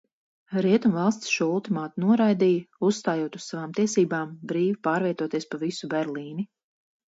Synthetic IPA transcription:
ɾiɛt̪umvalˠst̪ʲsʃuɔulˠt̪imaːt̪inuɔɾajd̪iːjɐussːt̪aːjuɔt̪ussavaːmt̪iɛsiːbaːmbɾiːvipaːɾviɛt̪uɔt̪iɛspavisubɛɾliːni

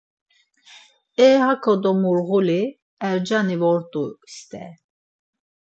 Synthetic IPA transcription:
ɛːhakʰɔd̪ɔmuɾɣuli | ɛɾd͡ʒanivɔɾt̪ʼust̪ʼɛ̰

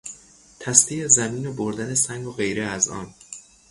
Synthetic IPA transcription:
t̪ʰæst̪iːezæmiːnoboɾd̪æne̞sæŋɡoɣe̞jɾeæzɒ̰ːn

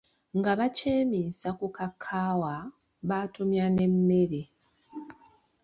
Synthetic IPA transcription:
ŋɡaβaceːmiːsakukakʰːaːwa | βatumjane̞mːe̞ɾe

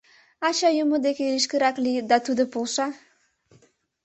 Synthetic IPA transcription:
ɑɕɑjumud̪ekʲeiʃkəɾɑklid̪ɑt̪ud̪əpolˠʃɑ

